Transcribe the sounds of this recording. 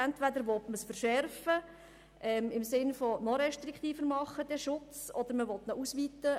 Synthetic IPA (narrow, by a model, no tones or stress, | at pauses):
ɛntʋæd̪əɾʋɔtməsfəɾʃɛrfə | ʔɛmɪmsɪnfɔnɔɾɛʃt̪rɪkt̪iːfəɾmɑχːəd̥̪ɛʃʊt͡sɔd̪əɾməʋɔt̪nɔʔusʋitə